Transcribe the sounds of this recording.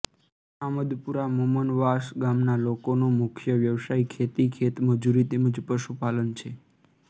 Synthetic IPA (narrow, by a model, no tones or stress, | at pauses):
aməd̪puɾamumənʋaʃɡamnalokonomʊkʰjəʋjəʋsaikʰet̪ikʰet̪məd͡ʒuɾit̪eməd͡ʒpəʃupalənt͡ʃʰe